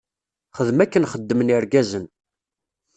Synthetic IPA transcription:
χəðmækːənχəd̪ːəməniɾɡæzən

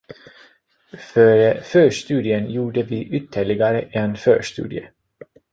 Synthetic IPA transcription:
fœɾfœːʂt̪ʉ̟ːd̪ɪənjuːɖəvɪʔʏt̪ʰːəɭɪɡaɾəʔɛnfœ̰ːʂt̪ʉ̰ːd̪ɪjə

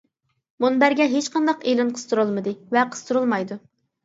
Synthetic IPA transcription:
munbæɾɡʲɛɦet͡ʃqʰɑnd̪ɑqelɨnqʰə̥z̥t̪ʰuɾolˠmɨd̪ɨvɛqʰəz̥t̪ʰuɾulˠmɑjd̪u

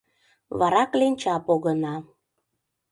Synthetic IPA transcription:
βɑɾɑklenʲt͡ɕɑpoɣənɑ

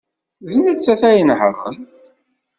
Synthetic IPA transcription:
ðənət͡sːæθæjənhərˤːə̰n

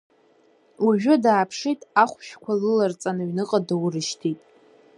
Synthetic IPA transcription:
uʒᶣʊdaːpʰʂijtʼaχʷʃᶣkʷʰalɨlart͡sʼanɨɥnɨqʼadawrɨʃtʰitʼ

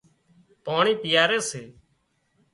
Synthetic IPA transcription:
paːɳiːp̪ɪjaːɾeːseː

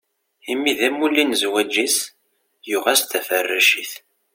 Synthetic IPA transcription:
imːiðæmulːinzwæd͡ʒːis | juʁæst̪æfərːæʃiθ

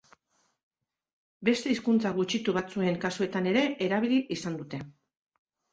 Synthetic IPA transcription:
be̞st̪e̞iskunt͡saɣ̞ut͡ʃit̪uβat͡sue̞ŋkasue̞t̪ane̞ɾe̞ʔeɾaβ̞iliʔisand̪ut̪e̞

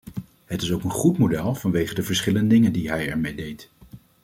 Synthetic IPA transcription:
ɦətɪsowkənχutmodɛlˠv̥ɑnʋejχədəvəɹsχɪləndədɪŋəndiɦɛjɛɹmejdejt

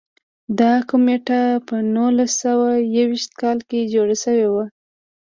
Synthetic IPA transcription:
d̪ɑkʊmeʈapənulasawajawiʃt̪̚kɑlked͡ʒoɽaʃəwewa

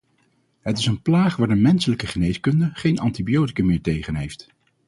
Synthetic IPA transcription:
ɦətɪsənplaːχʋaːɹdəmɛnsələkəχənejskɵndəχejnʔɑntibijowti̥kəmɪːɹtejχənɦejft

